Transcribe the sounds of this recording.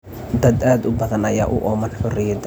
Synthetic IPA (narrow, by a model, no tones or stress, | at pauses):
d̪ɐd̪aːd̪ʊbɐðɐnɐja̰ːʔʊ̰ʔɔːmɐnħʊrɪjɐd̪